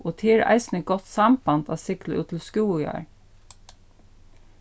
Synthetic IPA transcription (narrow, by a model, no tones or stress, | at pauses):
ʔoːt̪ʰeːɹæ̰ɪsn̩əɡɔt̪sɑmbɑnd̪ɑ̰ːsɪkləʔʉːt̪ʰl̩skʉːjɑ̰ːɹ